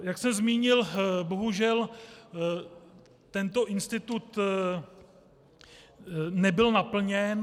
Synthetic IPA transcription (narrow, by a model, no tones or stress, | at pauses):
jaksɛmzmiːɲɪlboɦuʒɛl | t̪ɛnt̪o̞ʔɪnst̪ɪt̪ut̪ | nɛbɪlnapl̩ɲɛn